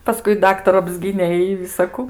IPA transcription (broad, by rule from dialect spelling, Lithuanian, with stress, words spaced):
pɐˈskʊɪ ˈdɑːktɐrʊ ɐbʲˈzʲɡʲiːnʲeː ɪ ʋʲɪsɐˈkʊ